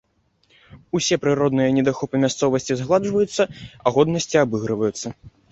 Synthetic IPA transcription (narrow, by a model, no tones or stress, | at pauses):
usʲɛpɾɨɾɔd̪nɨjɐnʲɛd̪axɔpɨmʲast̪sɔvɐsʲt͡sʲizɣlˠaʐvɐjut̪sːɐɐɣɔd̪nɐsʲt͡sʲiabɨɣɾɨvɐjut̪sːɐ